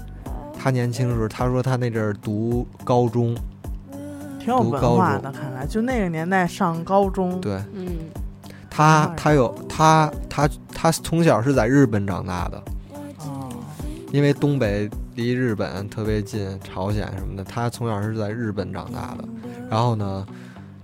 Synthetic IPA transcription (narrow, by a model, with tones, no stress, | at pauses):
t̪ʰa˥njɛ˧˥nt͡ɕʰi˥ŋt͡ɕo˥˧ʂɻ̩˥˩t̪ʰa˥ʂwɔ˥t̪ʰa˥ne˥˩ɪɡə˥˧˩t̪u˧˥kɑ˥ʊʈ͡ʂʊ˥ŋ | t̪ʰi˧˥ŋjo˨u˧˥ə˧˥kɑ˥ʊwa˥ʊ˥˩˥ŋd̪ə˧kʰa˥˩nla˧˥˦ɪt͡ɕjo˥˧ʊne˥˩ɡə˩njɛ˧˥nt̪a˥˧ɪʂɑ˥˩ŋkɑ˥ʊʈ͡ʂʊ˥ŋt̪we˥˩ɪ | t̪ʰa˥tʰa˥jo˨˩˦ʊt̪ʰa˥t̪ʰa˥t̪ʰa˥t͡sʰʊ˧˥ŋɕjɑ˨˩ʊʂ̬ɻ̩˥˧t͡sa˥˧ɪɻɻ̩˥˩pə˧˥nʈ͡ʂɑ̰˨˩ŋt̪a̰˥˩d̪ə̰˩˥˩ | i˥nwe˥˧ɪt̪ʊ˥ŋpe˨˩ɪli˧˥ɻɻ̩˥˩pə̰˨˩˦nt̪ʰɤ˥˩pjɛ˧˥t͡ɕi˥˩nʈ͡ʂʰɑ˧˥ʊɕjɛ̰˨˩˦nʂə˧˥nmə˧˩d̪ə˩t̪ʰa˥t͡sʰʊ˧˥ŋɕjɑ˨˩ʂɻ̩˥˧t͡sa˥˧ɪɻ̩˥˩pə˧˩˥nʈ͡ʂɑ̰˨˩ŋt̪a̰˥˩d̪ə̰˩ɻa˧˥nxo˥˩ʊnə˩